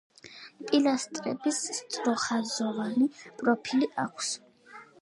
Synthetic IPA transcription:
pʼilast̪ʼɾɛ̰bisːt̪sʼɾɔχazɔvanipʼɾɔpʰiliʔakʷʰs

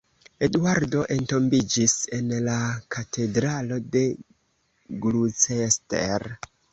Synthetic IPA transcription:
e̞dwaɾdo̞ʔe̞nto̞mbid͡ʒise̞nlakatʰe̞dɾalo̞de̞ | ɡlut͡sestḛɾ

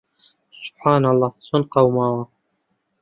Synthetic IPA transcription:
sʊ̥b̥ħaːnɑlˤːɑːsonqɑwmaːwɑ

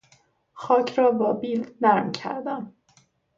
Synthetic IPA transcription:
xɒːcʰɾɒːbɒːbiːlnæɾmcʰæ̰ɾd̪æm

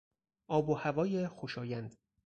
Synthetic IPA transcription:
ʔɒːbohævɒːjexoʃɒːjænd̪

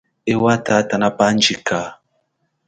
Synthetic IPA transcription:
ewataːtanapand͡ʒika

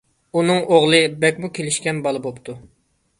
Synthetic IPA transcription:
unɨŋoʁlˠɨbɛkʲmukʲʰelɪʃkʲɛnbɑlˠɨbopt̪ʰu

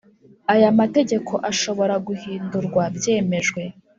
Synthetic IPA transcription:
ajamate̞ɟe̞kʰo̞ʔaʃo̞βo̞ɾaɡuhiːnduɾɡwabje̞ːme̞ʒɡwe̞

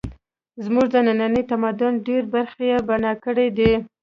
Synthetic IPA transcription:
zmuʐd̪ənananəjt̪amad̪ʊnɖeɾbaɾxejebanɑkəɽed̪e

